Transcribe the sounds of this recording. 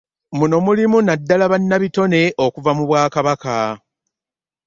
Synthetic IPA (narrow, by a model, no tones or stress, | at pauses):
muno̞mulimunadːalaβanːaβito̞ne̞ʔo̞kuvamuβwaːkaβaka